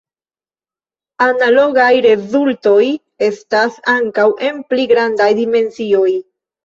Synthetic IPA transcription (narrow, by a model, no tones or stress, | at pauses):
analo̞ɡajɾe̞zulto̞j | e̞stasaŋkawʔe̞npliɡɾandajdime̞nsio̞j